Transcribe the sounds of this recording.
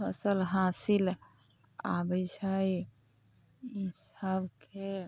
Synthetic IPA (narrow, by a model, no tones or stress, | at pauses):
əsəlɦasil | a̰bət͡ʃʰəj | isəbkʰe